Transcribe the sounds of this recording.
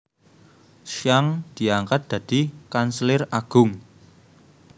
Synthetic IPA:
ʃjaŋd̪̥i̤aŋkat̪̚d̪̥ä̤d̪̥i̤kanslɪraɡ̥ʊ̤ŋ

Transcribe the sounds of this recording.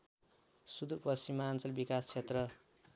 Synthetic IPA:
sud̪urpʌst͡ɕimːaant͡sʌlbikast͡sʰet̪rʌ

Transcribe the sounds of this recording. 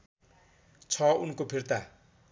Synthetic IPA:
t͡sʰʌunkopʰirt̪a

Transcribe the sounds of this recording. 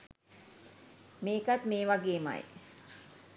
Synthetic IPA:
meːkat̪meːʋaɡeːma̰j

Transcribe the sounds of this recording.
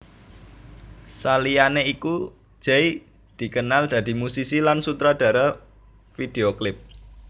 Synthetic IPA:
salijaneiku̥ | d͡ʒ̥ɛj | d̪̥i̤kənald̪̥ä̤d̪̥i̤musisilansut̪ɾad̪̥ä̤ɾa | fid̪̥e̤oklɪp̚

